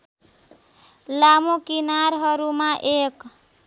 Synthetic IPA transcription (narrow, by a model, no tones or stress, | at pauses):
lamokinaɾɦʌɾumaʔek